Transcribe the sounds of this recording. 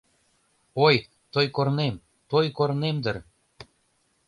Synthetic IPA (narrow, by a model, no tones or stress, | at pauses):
oj | t̪ojkornem | t̪ojkoɾnemd̪ər